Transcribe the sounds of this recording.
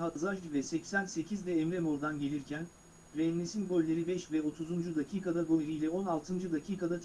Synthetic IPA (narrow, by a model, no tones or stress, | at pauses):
ɦazaʒvɛsɛcsænse̞cʰizd̪ɛːmɾemoɾd̪anɟe̞lʲiɾcʰæn | ɾɛnːesinɡølʲːe̞ɾibɛʃvɛo̞t̪ʰuzund͡ʒud̪acʰiːkʰad̪aɡoɾijlʲɛo̞nalˠt̪ʰɯnd͡ʒɯd̪acʰiːkʰad̪at̪ʰ